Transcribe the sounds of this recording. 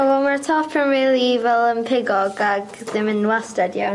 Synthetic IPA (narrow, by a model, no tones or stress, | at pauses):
awɔlˠmartʰɔpʰənriːlˠivɛlˠəmpʰɪɡɔɡaɡ | ðɪmənwastadja